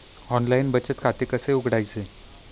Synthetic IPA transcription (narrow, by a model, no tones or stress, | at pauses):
ɔnlainbət͡ɕət̪kʰat̪ekəseuɡɽajt͡se